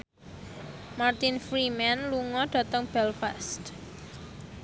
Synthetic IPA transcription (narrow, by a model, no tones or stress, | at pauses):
mart̪ɪnfɾimanluŋɔɖ̥ä̤t̪əŋb̥ɛlfɛst̪